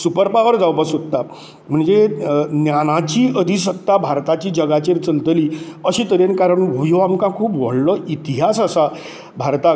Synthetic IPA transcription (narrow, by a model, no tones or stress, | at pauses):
supəɾpaʋəɾd͡zawpəsɦot̪ːa | m̤əɳd͡zenjanat͡ɕiːʔəd̪ʱisəkt̪ːabʱaɾt̪at͡ɕiːd͡ʑəɡat͡ɕeɾt͡səlt̪liːəɕiːt̪əɾenkaɾəɳɦojoamkãkʰuːpʋə̰ɽlɔʔit̪iɦasasa | bʱaɾt̪a